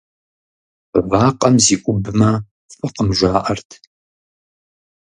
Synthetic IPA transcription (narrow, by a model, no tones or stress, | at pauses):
vaːqʼɐmziːʔʷʊbɨmɐ | fʼɨqəmʒʷaːʔɐrtʰ